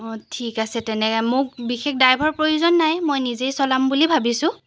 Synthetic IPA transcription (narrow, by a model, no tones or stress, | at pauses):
ɔtʰikasɛtɛnɛkɛmok̚bixek̚dajbʱɔɹpɹojuzɔnːajmojnizejsɔlambulibʱabisʊ̃